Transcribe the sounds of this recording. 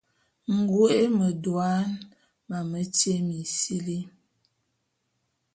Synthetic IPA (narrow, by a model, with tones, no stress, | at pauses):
ŋ̩˨ɡu˦e˦mə˨dwa˦n | ma˨mə˦te˦mi˨si˦li˦